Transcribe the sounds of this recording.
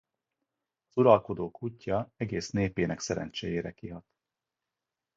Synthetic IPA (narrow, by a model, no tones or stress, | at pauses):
ɒzuɾɒlko̞d̪oːkucːɒɛɡeːsneːpeːnɛksɛɾɛ̰nt͡ʃeːjeːɾɛkiɦɒt̪